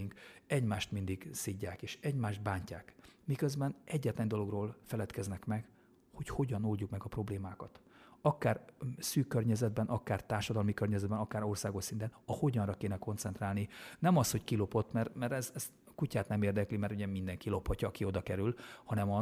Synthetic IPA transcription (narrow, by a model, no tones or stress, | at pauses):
iŋkɛɟmaːʃt̪mind̪iɡsiɟːaːkeːʃɛɟmaːʒd̪̚baːɲcaːkmikøzbɛnʔɛɟːɛt̪lɛndo̞lo̞ɡroːlfɛlɛt̪kɛznɛkmɛɡ | ho̞cho̞ɟɒnuljukmɛɡɒpro̞bleːmaːkɒt̪ɒkaːrsyːkːørɲɛzɛd̪̚bɛnʔɒkaːrt̪aːrʃɒd̪ɒlmikørɲɛzɛd̪bɛnɒkaːɾo̞rsaːɡo̞ʃsint̪ɛnɒho̞ɟɒnrɒkeːnɛko̞nt̪sɛnt̪raːlninɛmɒsho̞ckilo̞po̞t̪ːmɛrmɛɾɛzɛst̪ | kucaːt̪nɛmeːrd̪ɛklimɛɾuɟɛmind̪ɛŋkilo̞phɒcɒːkio̞d̪ɒkɛɾylhɒnɛmɒ